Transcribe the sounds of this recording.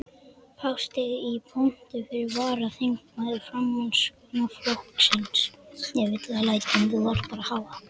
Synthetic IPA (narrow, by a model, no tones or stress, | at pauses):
pʰawst̪ɪðipʰown̥t̪ɪfɪɾɪɾvaːɾaθeŋkmajðʏ̥fɾamːans | nɔflohk̪sɪnsjɛvɪːt̪kalaːjt̪ɪɛmθuvar̥t̪̚paːɾahaːva